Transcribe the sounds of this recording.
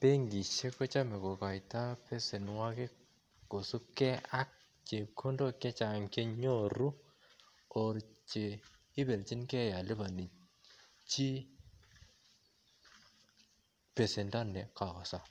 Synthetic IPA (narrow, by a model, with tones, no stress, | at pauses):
pe˦ŋɡi˨t͡ʃe˦kɔ˦t͡ʃa˦mɛ˨ko˨ka˨jta˦pɛ˦se˨nwa˦kɪ˦ | ko˨su˦kɛ˦a˦k̚ | t͡ʃe˨kʰo˦ndo˦kɛ˦t͡ʃa˨ŋke˦ɲo˦˨ɾu˦ | o˨ɾt͡ʃe˨ | ɪ˦bɛ˨lt͡ʃi˦nkɛ˦ja˨lɪ˦ba˨ni˨ | t͡ʃi˦ | pe˨se˨nda˦nɛ˨ka˨ka˨sa˦